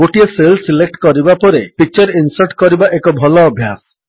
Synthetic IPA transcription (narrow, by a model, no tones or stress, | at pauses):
oʈieselsilek̚ʈkɔɾibapɔɾepit͡ʃɔɾinsɔɾʈkɔɾibaʔekɔbʱɔlɔːbʱjas